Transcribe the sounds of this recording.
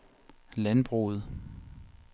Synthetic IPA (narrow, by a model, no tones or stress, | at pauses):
lænb̥ʁṵð̞̩ˠ